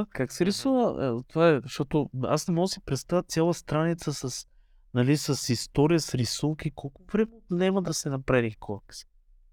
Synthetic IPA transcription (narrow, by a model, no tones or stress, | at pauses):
kaksɛɾisuvə̰t̪ovaɛʃt̪ot̪oa̰snɛmɔɡəsɛpɾɛt̪st̪avʲət̪sʲjalˠəst̪ɾanit̪səsɐs | nɐlisɐsist̪oɾijəsɾisuŋkikʰɔlˠkʊvɾɛmɛt̪nɛmɐd̪ɐsɛnɐpɾavikʰoks